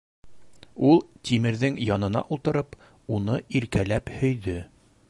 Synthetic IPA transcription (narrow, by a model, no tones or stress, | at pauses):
ulˠt̪ʲimɘ̆ɾðɘŋjɒnɤ̆n̪ɑ̰ʔulˠt̪ɤ̆ɾɤp | unɤiɾkælæphɵ̆jðɘ